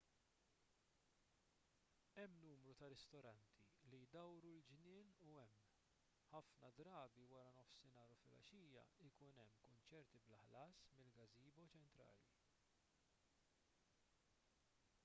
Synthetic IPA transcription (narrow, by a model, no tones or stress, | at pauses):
ɛmːnuːmɾut̪ɐɾɛst̪ɔɾɐnt̪ʰilijd̪ɐwɾuld͡ʒnɪːnuɛmː | ħɐfnɐd̪ɾɐːbiwɐɾɐnɔfsɪnɐːɾufɪlɐ̰ʃiːjɐ̰ɪkunɛmːkʊnt͡ʃɛɾt̪iblɐħlɐːsmɪlɡɐziːbɐt͡ʃɛnt̪ɾɐ̰ːlḭ